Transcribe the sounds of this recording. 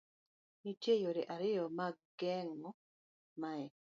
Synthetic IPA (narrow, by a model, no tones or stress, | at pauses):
nitjejoɾeʔaɾɪjɔmaɡɡɛŋɔ | maɛ